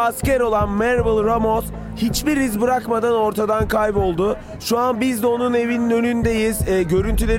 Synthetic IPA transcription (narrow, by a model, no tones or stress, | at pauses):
ascæɾo̞lˠanmæɾbɯlˠɾamoz | hit͡ʃbiɾizbɯɾakmad̪ano̞ɾt̪ʰad̪ankʰajpo̞lˠd̪ʊ | ʃuanbizd̪ɛo̞nune̞vininø̞nynd̪e̞jizːɟø̞ɾynt̪ʰylʲe̞